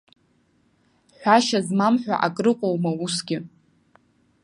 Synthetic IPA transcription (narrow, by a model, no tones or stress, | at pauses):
ħᶣʷaʃazmamħʷᶣa̰ʔakʼrɨqʷʼowmausɡʲɪ